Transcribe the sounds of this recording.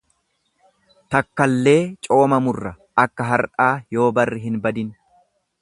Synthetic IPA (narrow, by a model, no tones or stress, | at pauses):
t̪ɐkːɐlːe̞ːt͡ʃʼo̞ːmɐmʊrːɐ | ɐkːɐɦɐɾᶑaːjo̞ːbɐrːɪɦɪnbɐd̪ɪn